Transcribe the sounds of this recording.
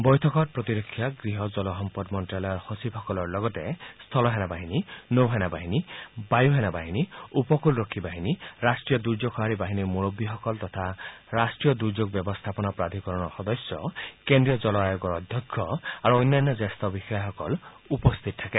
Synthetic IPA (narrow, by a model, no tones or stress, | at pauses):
bɔjtʰɔkɔt̚pɾɔt̪iɾɔkʰːjaɡɾiɦɔd͡ʒɔlɔɦɔmpɔdmɔnʈalɔɾhosibʱɔkɔlɔɾlɔɡɔtest̪ʰɔlɔɦenabaɦininowɦenabaɦinibajuɦenabaɦiniupɔkulɾɔkʰːibaɦiniɾasʈɾijɔd̪uɾd͡ʒokʰɔɦaɾibaɦinimuɾobːiɦɔkɔlt̪ɔt̪ʰaɾasʈɾijɔd̪uɾd͡ʒoɡ̚bjɔbɔst̪ʰapɔnapɾad̪ʱikɔɾɔɽ̃ɔxɔd̪ɔsjɔ̰kend̪ɾiɔd͡ʒɔlɔajɔɡɔɾɔd̪ʱjɔkʰːɔaɾuɔjnːanːɔd͡ʒest̪ɔbixaaɦɔkɔl | upɔst̪ʰit̪ɔtʰake